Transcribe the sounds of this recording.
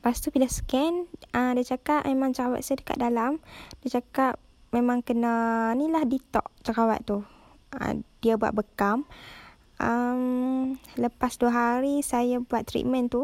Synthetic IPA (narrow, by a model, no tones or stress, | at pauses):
past̪upilasə̥kɛnədiət͡ʃakaʔ̚memãŋt͡ʃəkawa̰t̪̚sajdəka̰t̪̚dalamdiat͡ʃakap̚ | memãŋkənənilahdit̪ɔ̰ʔt͡ʃəkawa̰t̪t̪ːu | ə̰d̥iabua̰ʔ̪̚bəkam | ʔəm | ləpasduəɦaɾisajabuat̪̚ːɾḭt̪̚mə̃nt̪u